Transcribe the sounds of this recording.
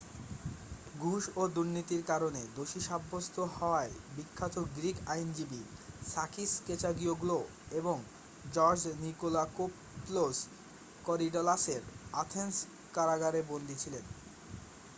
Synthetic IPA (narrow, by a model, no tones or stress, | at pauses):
ɡʱuʃod̪uɾnit̪iɾkaɾoned̪oʃiʃabːost̪ʰohɔoaebikʰːat̪ʰokɡɾikajnd͡ʑibisakʰisket͡ɕaɡioɡulo | eboŋ | d͡ʑɔɾd͡ʑnikolakop | los | kɔɾiɖɔlaseɾat̪ʰens | kaɾaɡaɾebond̪ʱit͡ɕʰilen